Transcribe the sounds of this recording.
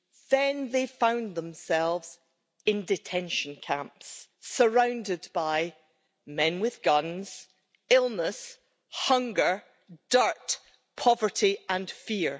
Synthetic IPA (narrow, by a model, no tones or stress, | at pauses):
ðə̃nðefãʊ̃nðə̃msɛlˠvz̥ | ɪ̃ndɪtʰɛ̃nʃə̃nkʰãmpsːə˞ãʊ̃ndɪdbaɪ | mɛ̃nwɪð̥ɡʌ̃nz̥ | ɪlˠnəs | hʌ̃ŋɡə˞ | d̥ɜ˞ʔ | pʰɔvə˞ʔiə̃nfiɹ